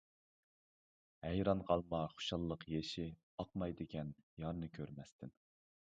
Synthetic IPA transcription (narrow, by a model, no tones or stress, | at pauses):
hɛjɾɑnqʰɑlˠmɑχo̥ʃɑlˠːəqjeʃɪ | ɑqmɑjd̪ɨkʲʰɛnjɑɾnɨkʲʰøɾmɛst̪ʰɪn